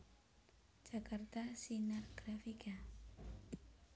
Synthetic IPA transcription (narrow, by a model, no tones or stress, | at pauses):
d͡ʒakart̪asinarɡ̥ɾafika